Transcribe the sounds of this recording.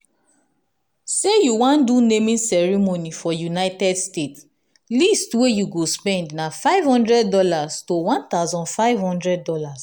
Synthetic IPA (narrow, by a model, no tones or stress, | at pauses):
sejuwãndunemĩnsɛɹimonifɔjunaɪtɛdstets | listwejuɡospɛ̃ndnafaɪv̥hɔ̃ndɹɛd̚ːɔlastowãnt̪aʊzɔ̃nfaɪvhɔ̃ndɹɛd̚ːɔlas